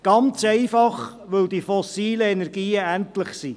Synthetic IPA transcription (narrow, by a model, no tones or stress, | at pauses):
ɡ̥ɑnt͡sɛɪfɑχ | ʋɵld̪ifɔsiːləɛnɛɾɡiːəæntləχsi